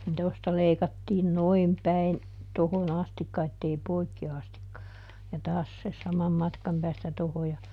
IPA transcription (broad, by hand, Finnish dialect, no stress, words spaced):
nin tostɑ leikɑtːiːn noim pæin tohon ɑstikːɑ etːei poikːi ɑstikːɑ jɑ tɑːs se sɑmɑm mɑtkɑm pæːstæ toho jɑ